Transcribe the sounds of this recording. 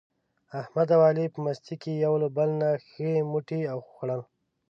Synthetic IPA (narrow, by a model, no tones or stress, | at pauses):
ahmad̪awɑlipəmast̪ikejawləbəlnaxəmuʈiawxxɽal